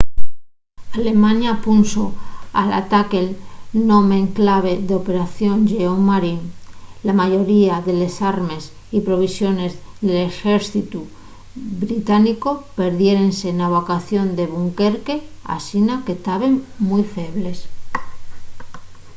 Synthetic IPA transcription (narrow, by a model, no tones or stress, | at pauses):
ale̞mãnjapunsoala̰t̪ake̞lno̞me̞ŋklaβ̞e̞ðeo̞pe̞ɾaθjo̞nʝeoŋmːaɾiŋlamaʝo̞ɾiaðe̞le̞saɾme̞s | ipɾo̞β̞isjo̞ne̞zðe̞lexe̞ɾθit̪u | bɾit̪aniko̞pe̞ɾðje̞ɾe̞nse̞naβ̞okaθjo̞nd̪e̞β̞uŋke̞ɾke̞a̰sinake̞t̪aβe̞ŋ | mujfe̞β̞le̞s